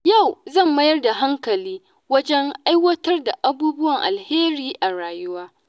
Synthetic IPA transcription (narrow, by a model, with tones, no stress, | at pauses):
ja˦˨wzɐ˦˨mːɐ˦jɐ˦rda˨ɦa˦ŋkɐ˨liː˦ | wɐ˦d͡ʒɛ˦ŋʔa˦jwɐ˦tɐ˦rda˨ʔa˦buː˦bʊ˦wɐ˨ŋʔa̰˨lheː˦ɾiː˦ʔa˨ɽaː˨jʊ˦waː˦